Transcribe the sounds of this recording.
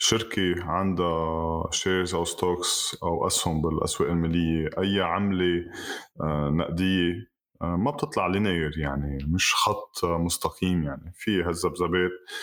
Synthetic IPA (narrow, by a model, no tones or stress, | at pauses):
ʃɪɾkeʕand̪aʃeːzʔawst̪oːksʔawʔashʊmbɪlʔa̰sweːʔɪlmalɪjːeʔajːaʕamle | na̰ʔd̪ɪjːe | mab̚t̪ɨt̪ˤlɑʕlineːjɾjaʕnimɪʃxɑt̪ˤːmʊst̪ɑqiːmjaʕnifiɦazːabzabeːt̪̚